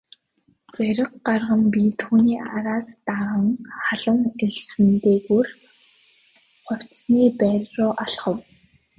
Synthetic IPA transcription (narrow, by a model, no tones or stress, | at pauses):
t͡sœɾʲə̆qɢarʁə̆mpʲit̪ʰuːniːʔaɾaːst̪aʁə̆ŋχaɮə̆ŋeɮsɘ̆nt̪eːɣur | χʊw̥ʲtsniːpæːrʲrʊːʔaɮχə̆w